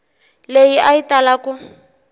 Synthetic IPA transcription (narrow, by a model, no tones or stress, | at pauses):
lejiaitalakʊ